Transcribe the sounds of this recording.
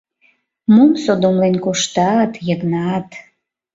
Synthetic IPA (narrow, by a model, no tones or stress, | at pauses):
mumsod̪omlenkoʃt̪ɑt̪jəknɑt̪